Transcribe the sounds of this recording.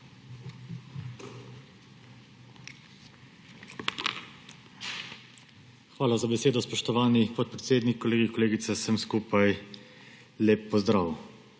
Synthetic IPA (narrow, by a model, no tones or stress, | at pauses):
xʋaːlazabɛseːd̪ɔspɔʃt̪ɔʋaːnipɔt̪̚pɾɛt̪seːd̪nikːɔleːɡikɔleːɡit̪sɛsəmskuːpaj | leːpːɔzd̪ɾaːw